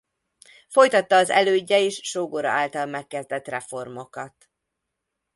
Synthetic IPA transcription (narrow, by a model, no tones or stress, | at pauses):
fo̞jt̪ɒt̪ːɒːzɛ̰løːɟːɛeːʃʃoːɡoɾɒ̰ʔaːlt̪ɒlmɛkːɛzd̪ɛt̪rɛfo̞rmo̞kɒt̪